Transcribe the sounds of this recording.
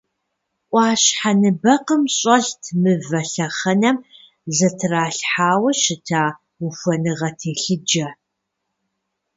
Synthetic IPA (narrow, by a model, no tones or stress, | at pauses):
ʔʷɑːɕħanɨbɐqəmɕʼɐɬtʰmɨvɐɬɐχɐnɐm | zɐtʰɨraːɬħaːwɐʃɪtʰaː | ufʷɐnɨʁɐtʰeːɬɨd͡ʒɐ